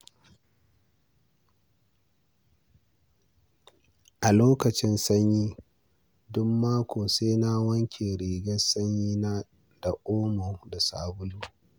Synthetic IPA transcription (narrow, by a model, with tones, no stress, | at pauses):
ʔa˨loː˦kɐ˨t͡ʃɪ˦nsɐ˦ɲjiː˦ | dʊ˦mːaː˦kʷoː˨seː˦na˦wɐ˦ŋkʲʰeː˨ɽiː˨ɡɐ˦sɐ˦ɲjiː˦na˦ | d̥a˨ʔoː˦moː˨da˨sa̰ː˨bʊ˦luː˦